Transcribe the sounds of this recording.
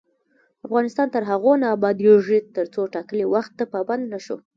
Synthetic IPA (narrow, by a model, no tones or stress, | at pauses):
afɣɑnɪst̪ɑnt̪əɾɦaɣonaːbɑd̪oʐit̪əɾt͡soʈɑkəlewaxt̪̚ːəpɑband̪naʃo̰